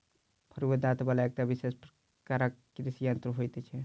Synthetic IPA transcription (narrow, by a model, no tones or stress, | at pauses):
pʰəɾuəd̪at̪balaek̚ʈabisespɾ | kaɾa | ɾisijənt̪ɾəɦojt̪ɛt͡ʃʰɛ